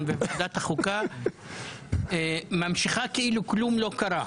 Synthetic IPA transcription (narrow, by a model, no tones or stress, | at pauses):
nveved̪at̪haχuka | emamʃiχakeiluklumlo̞kaɾa